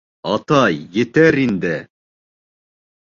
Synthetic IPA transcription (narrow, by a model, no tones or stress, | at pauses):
ɑt̪ɑjːɘ̆t̪æɾind̪ɘ